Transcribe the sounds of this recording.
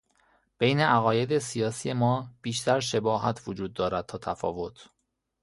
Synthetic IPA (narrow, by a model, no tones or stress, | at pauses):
b̥e̞jne̞ʔæɣɒːje̞d̪e̞sijɒːsiːje̞mɒːb̥iːʃt̪æɾʃe̞bɒːɦæt̪ʰvod͡ʒuːd̪̚ːɒːɾæd̪̚t̪ʰɒːt̪ʰæfɒ̰ːvo̞t̪ʰ